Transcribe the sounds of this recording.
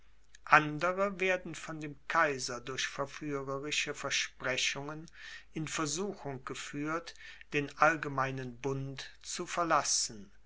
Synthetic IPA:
ʔandəʁəveːɐdn̩fɔndeːmkʰaɪzɐdʊɐçfɛɐfyːʁəʁɪʃəfɛɐʃpʁ̥ɛɕʊŋənʔɪnfɛɐzuːxʊŋɡ̥əfyːɐtd̥eːnʔalɡəmaɪnənbʊntt͡sufɛɐlasn̩

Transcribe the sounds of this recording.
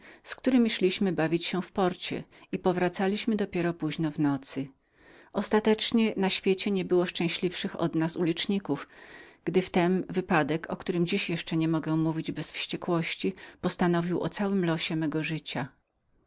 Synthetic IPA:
skt̪uɾɘmʲiɕlʲiɕmɘbavʲit͡ɕɕɛfpɔɾt͡ɕɛ̰ipɔvɾat̪salʲiɕmɘd̪ɔpʲjɛɾɔpuʑnɔvnɔt̪sɘ | ʔɔst̪at̪ɛt͡ʂɲɛnaɕfʲjet͡ɕɛɲɛbɘwɔʂt͡ʂɛ̃w̃ɕlʲifʂɘxɔ̰d̪nasulʲit͡ʂɲikufɡ̥d̪ɘft̪ɛnvɘpad̪ɛkʰɔkt̪uɾɘmd͡ʑiɕjɛʂt͡ʂɛɲɛmɔɡɛmuvʲid͡ʑbɛsfɕt͡ɕɛkwɔɕt͡ɕipɔst̪anɔvʲiwʔɔ̰t̪sawɘmlɔɕɛmɛɡɔʐɘt͡ɕa

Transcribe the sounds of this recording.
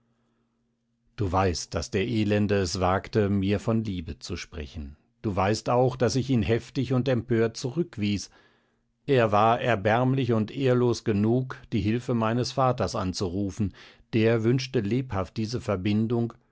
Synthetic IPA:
d̥uːvaɪst̚d̥a̰sd̥eːɐʔeːlɛndəɛsv̥aːktəmiːɐfɔnliːbət͡suʃpʁ̥ɛ̰çn̩ | d̥uːvaɪstaʊxd̥asɪçiːnɦɛftɪçʊntɛmpøːɐt̚t͡suʁʏkv̥iːs | ʔeːɐvaːɐʔɛɐbɛɐmlɪçʊntʔeːɐloːsɡ̥ənuːkd̥iːɦɪlfəmaɪnəsfaːtɐsʔa̰nt͡suʁuːfn̩ | d̥eːɐvʏnʃtəleːphaft̚d̥iːzəfɛɐbɪndʊŋ

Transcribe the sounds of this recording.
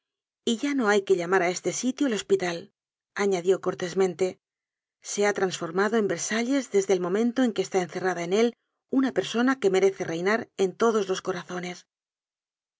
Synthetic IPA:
iʝano̞ajke̞ʎamaɾaest̪e̞sit̪jolo̞spit̪al | aɲaðjo̞ko̞ɾt̪e̞zmẽ̞nt̪e̞ | se̞at̪ɾansfo̞ɾmaðo̞e̞mbe̞ɾsaʎe̞zðe̞zðe̞ːlmõ̞mẽ̞nt̪oe̞ŋkeːst̪ae̞nθe̞raðaene̞l | unape̞ɾso̞nake̞me̞ɾe̞θe̞re̞jnaɾe̞nt̪o̞ðo̞zlo̞sko̞ɾaθo̞ne̞s

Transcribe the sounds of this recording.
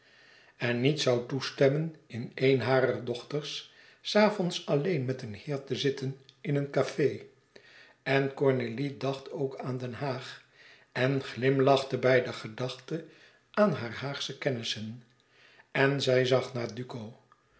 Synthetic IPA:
ɛnːitsɑwtustɛmənɪnejnɦaːɾərdɔχtəɹsː | aːfɔnsɑlejnmɛtənhɪːɹtəzɪtənɪnənkafej | ɛnkɔɹnelidɑχtʰowkaːndɛnɦaːχ | ʔɛnχlɪmlɑχtəbɛjdəχədɑχtə | ʔaːnɦaːrɦaːχsəkɛnɪsən | ɛnzɛjzɑχnaːɹdykow

